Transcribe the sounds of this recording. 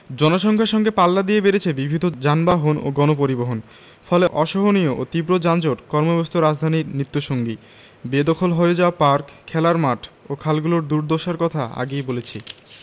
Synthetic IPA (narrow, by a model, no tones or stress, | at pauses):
d͡ʑɔnoʃɔŋkʰaɾʃɔŋɡepalːad̪iebeɾet͡ɕʰebibʱid̪ʱod͡ʑanbaɦono̰ɡɔnop̬oɾiboɦon | fɔleʔɔʃoɦonijoʔot̪ibɾod͡ʑand͡ʑoʈkɔɾmobost̪ʰoɾad͡ʑd̪ʱaniɾnɾit̪ːoʃoŋɡi | bed̪ɔkʰolɦoeed͡ʑaopaɾkʰːɛlaɾmaʈʰokʰalɡuloɾd̪uɾd̪oʃaɾkɔt̪ʰaa̰ɡejbolet͡ɕʰi